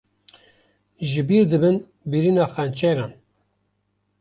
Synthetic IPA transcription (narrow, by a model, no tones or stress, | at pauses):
ʒɨbiːɾd̪ɨbɨn | biɾiːnɑːxænt͡ʃɛɾɑːn